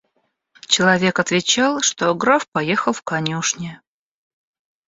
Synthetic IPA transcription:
t͡ɕɪlˠɐvʲe̞kɐt̪vʲɪt͡ɕalˠʂt̪oɡɾafpɐje̞xəlˠfkɐnʲuʂnʲɪ

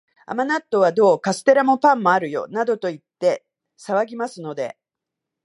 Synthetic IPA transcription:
a̰manat̪ːo̞β̞ad̪o̞ːkasɨ̥t̪e̞ɾamo̞pãmːo̞aɾɯ̟jo̞̰nad̪o̞t̪o̞it̪ːe̞ | saβaɡʲimasɨno̞d̪e̞̰

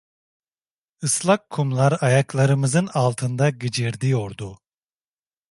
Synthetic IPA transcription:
ɯslˠakʰːumlˠaɾajaklˠaɾɯmɯzɯnalˠt̪ʰɯnd̪aɟid͡ʒiɾd̪ijo̞ɾd̪u

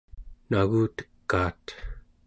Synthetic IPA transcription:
naɣuːt̪ə̥kːaːt̪

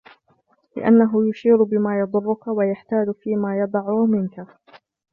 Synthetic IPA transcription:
lɪ̰ʔa̰nːaɦʊjʊʃiːɾbɪmaːjɑd̪ˤʊrːʊkawajaħt̪aːd͡ʒfiːmaːjɑd̪ˤɑʕʊmɪnka

